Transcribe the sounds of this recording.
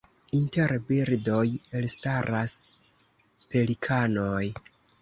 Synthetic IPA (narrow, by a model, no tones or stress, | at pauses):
inteɾbiɾdo̞jelstaɾas | pe̞likʰanoj